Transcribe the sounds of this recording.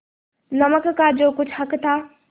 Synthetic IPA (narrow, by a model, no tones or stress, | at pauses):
nɐməkkad͡ʑoːkʊd͡ʑʱɦɐkt̪ʰaː